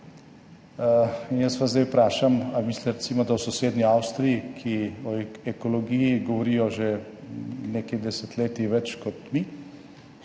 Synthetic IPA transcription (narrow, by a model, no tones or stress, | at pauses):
injəsʋazd̪ɛjpɾaːʃamamislɛɾɛt̪simɔd̪awsɔseːd̪niawst̪ɾijikʰiɔɛkolɔɡijiɡɔʋɔɾijɔʒe | neːkid̪ɛsɛt̪leːt̪iʋɛt͡ʃkɔt̪mi